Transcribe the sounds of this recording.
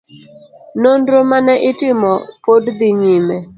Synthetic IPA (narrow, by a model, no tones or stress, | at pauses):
nondɾomanɛʔɪtɪmɔpodd̪ɪɲimɛ